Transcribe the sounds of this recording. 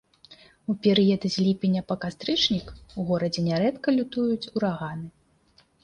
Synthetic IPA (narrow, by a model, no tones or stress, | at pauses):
upʲɛɾɨjɐd̪ɨzʲlʲipʲinʲːɐpɐkast̪ɾɨt͡ʂnʲikuɣɔɾɐd͡zʲɛnʲɛɾɛt̪kɐlʲut̪ujut͡sʲuɾaɣanɨ